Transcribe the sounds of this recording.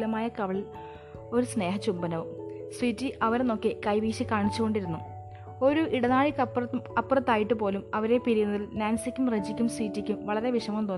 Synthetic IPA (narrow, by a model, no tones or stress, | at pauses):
lɐmaːjɐkɐʋɐɭil | o̞ɾusne̞ːɦɐt͡ɕumbɐnɐʋɨmswiːtːiʔɐʋɐɾeno̞ːkːikɐjʋiːɕikaːɳit͡ɕːuɣo̞ɳɖiɾunːu | o̞ɾuiɽɐnaːɻikɐpːrɐɐpːrɐt̪ːaːjiʈːɨpo̞ːlumɐʋɐɾe̞piɾijunːɐðilnaːnsikʲːumrɐd͡ʑikʲːumswiːtːikʲːumʋɐɭɐɾe̞ʋiʂɐmɐmt̪o̞ːn